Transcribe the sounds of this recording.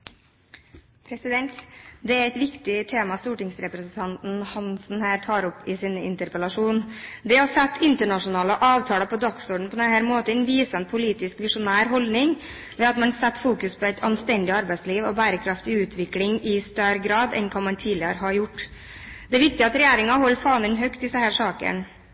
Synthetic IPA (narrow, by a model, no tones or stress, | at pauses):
pʰɾɛsɪd̪ɛnt̪d̪ɛæɛɪt̪ʋɪkt̪ɪt̪ʰeːmɑst̪uːʈɪŋsɾɛpɾɛsnt̪ʰɑnt̪n̩hɑnsn̩hæːɾʈʰɑːɾɔpɪsiːnəɪ̰nt̪əɾpəlɑʂuːnd̪ɛhɑsɛt̪ʰːɪnt̪əɳɑʂʊnɑːləʔɑːʋt̪ʰɑːləpʰɔd̪ɑksuːɖɳ̩pʰɔd̪ɛnhæːɾmoːt̪əɛnʋiːsənpʰʊliːt̪ɪskʋɪʂʊnæːɾɦɔlnɪŋ | ʋɛɑt̪mɑnsɛt̪ːfuːkʉspʰɔɛɪt̪ʰɑnst̪ɛnd̪ɪɑɾbæɪsliːʋɔbæːɾəkʰɾɑft̪ɪʉːt̪ʰʋɪklɪŋɪst̪œɾɡɾɑːd̪ɛ̰nkʰɑnmɑnt̪ʰiːlɪəɾɦɑɾjʊʈː | d̪̥ɛæɾʋɪk̚t̪ɪɑt̪ɾɛjæːɾɪŋɑhɔlːfɑːmənɦœkt̪ɪsəhæːɾʂɑːkə̰n